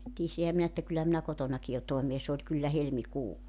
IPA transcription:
tiesihæ minæ etːæ kylːæ minæ kotonɑki jo toemeː s oːlʲ kylːæ helmikuː

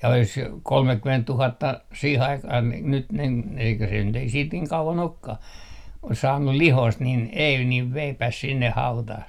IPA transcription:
jɑ olis kolmekːymentːuhɑtːɑ siːh ɑikɑh ni nyt nin n eikæ se nyt ei siːt niːŋ kɑuʋɑn okːɑh ois sɑːnːu lihoist nin ei niʋ ʋeipæs sinːeh hɑutɑh

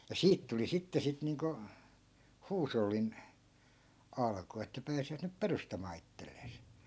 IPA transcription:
jɑ siːt tuli sitːe sit niːŋko huːsolːin ɑlku etːæ pæːsiʋæt nyp perustɑmɑː itːelːeːs

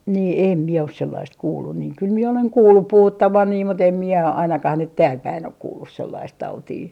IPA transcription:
niː eˑm mie os selːɑist kuːlːun niːŋ kyl mie oleŋ kuːlːup puhutːɑʋɑn niː mut em mie ɑinɑkɑh nyt tæːlpæin ok kuːlːus selːɑist tɑutiː

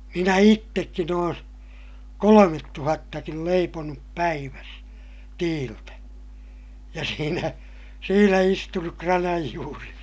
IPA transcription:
minæ itːekːin oːn kolometːuhɑtːɑkil leiponup pæiʋæs tiːltæ jɑ siːnæ siːnæ istunuk krɑnɑj juːres

